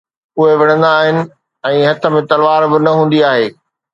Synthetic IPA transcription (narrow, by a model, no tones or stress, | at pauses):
ʊɦeʋɐɽ̃ə̃nd̪aːɦɪnɪ̆ | ɛ̃ːɦɐt̪ʰə̆mẽt̪ɐlʋaːɾbɪnɐɦũːn̆d̪iaːɦeː